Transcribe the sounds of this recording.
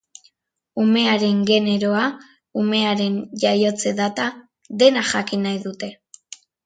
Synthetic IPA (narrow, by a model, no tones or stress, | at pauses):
ume̞aɾe̞ŋɡe̞ne̞ɾo̞a | ume̞aɾe̞nʝajo̞t͡se̞ðat̪a | ðe̞naʝakinajðut̪e̞